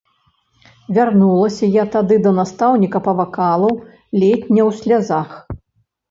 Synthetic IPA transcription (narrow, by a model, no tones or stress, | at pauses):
vʲarnulˠɐsʲɐjat̪ad̪ɨd̪ɐnast̪awnʲikɐpɐvakalˠɐw | lʲet̪ʲnʲɐwsʲlʲazax